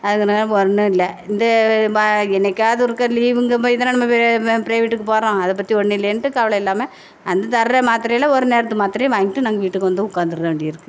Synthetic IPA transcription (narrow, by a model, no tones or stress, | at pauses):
ɐðɯŋɡɐnɐɡnɐɔɾɐnːɯɪlːɐɪnd̪ɐ | ɛnɐkʲːaːðɯɾɯkːɐliːʋɯŋɡɐpoːɪðɐnːanɐmːɐpɪɾeːʋiʈːɯkːɯpoːɾɐõːɐðɐpːɐt̪ːiɔɳːɪlːɐjnʈːɯkɐʋɐlɐɪlːaːmɐ | ɐnd̪ɐt̪ɐɾɐɾɐmaːt̪ɪɾɐjɐlɐɔɾɯneːɾɐt̪ːɯmaːt̪ɪɾɐjɐ̃ʋaːŋɡɪʈːɯnaːŋɡɐʋiːʈːɯkːʋɐnd̪ɯʊkːaːnd̪ɯɾɐðɐʋeːɳɖɪɪɾɯkːɯ